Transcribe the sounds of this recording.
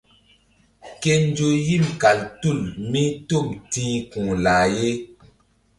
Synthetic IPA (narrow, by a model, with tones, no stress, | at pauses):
ke˦n˦d͡ʒo˨ji˦˨mka˨ltu˦˨lmĩ˦to˦˨mtĩː˦kũ˨laː˨je˦